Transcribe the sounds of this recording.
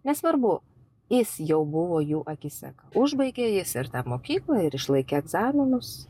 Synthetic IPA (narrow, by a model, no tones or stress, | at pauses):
nʲɛsʋɐɾbʊ | jɪsjɛʊbʊʋoːjuːʔɐkʲɪsʲɛ̰kʊʒbɐɪɡʲeːjɪsɪɾt̪ɑːmoːkʲiːklˠɑɪɾɪʃlˠɐɪkʲeɛɡzɑːmʲɪnʊs